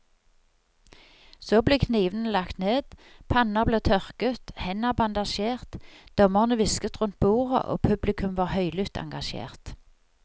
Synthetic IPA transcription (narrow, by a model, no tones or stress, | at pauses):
soːbleːkʰniːʋən̩lɑkt̪neːd̪̥pʰɑnɑʁbleːt̪ʰœʁkət̪hɛnɑbɑnd̪ɑʃeːʁt̪d̪̥ɔməʁnəʋɪskət̪ʁʉnt̪̚buːʁə̰ʔo̰ːpʰʉblɪkʰʉmʋɑːʁhœʏlʏt̪ʰɑ̰ŋɡɑʃḛːʁt̪